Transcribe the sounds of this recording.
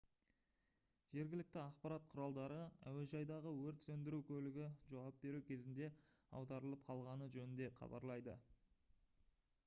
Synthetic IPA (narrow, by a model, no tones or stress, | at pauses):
ʒ̥e̞ɾɡʲɪlɪk̚t̪ɪɑqpɑɾɑt̪̚qʰʊɾɑlˠd̪ɑɾəæ̰we̞ʒɑjd̪ɑʁəwɵɾt̪sɵnd̪ɪɾukʲʰɵlɪɡʲɪʒɑwɑp̚be̞ɾukʲʰe̞zɪnd̪e̞ɑ̰wd̪ɑɾəlˠəp̚qʰɑlˠʁɑnəʒɵnɪnd̪e̞qʰɑ̰bɑ̰ɾlˠɑjd̪ə